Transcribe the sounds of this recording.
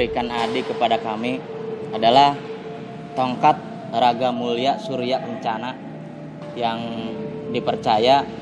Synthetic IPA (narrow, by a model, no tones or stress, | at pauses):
ɾikanadikəpadakami | adalah | t̪oŋkat̪̚ | raɡamuliasuɾiaʔpəɲt͡ʃana | jaŋ | dipərt͡ʃaja